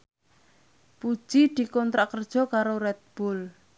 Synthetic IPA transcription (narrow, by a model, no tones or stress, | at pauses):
pu̥ʒ̥id̪̥i̤kɔnt̪ɾaʔkərd̥ʒ̥ɔ̤kaɾorɛt̪̚b̥ʊl